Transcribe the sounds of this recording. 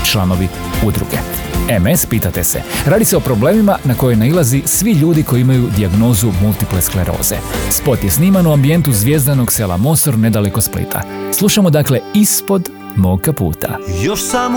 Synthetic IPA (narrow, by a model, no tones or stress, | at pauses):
t͡ʃlˠano̞ʋi | ud̪ɾṵɡḛ | emespiːt̪at̪e̞sḛɾaːd̪iseo̞pɾo̞ble̞ːmimanako̞jonailˠazisʋiʎuːd̪iko̞jiimajud̪iaɡno̞ːzumult̪ipleskleɾʔo̞̰ːz̥ḛspo̞t̪jesniːmanuambie̞nt̪uzʋje̞ːzd̪anoɡsela̰mo̞so̞ɾne̞d̪ale̞ko̞splḭt̪ʰa̰slˠuʃamo̞d̪akle̞ispo̞d̪ | mokapṵːt̪ʰa̰joʃsaːm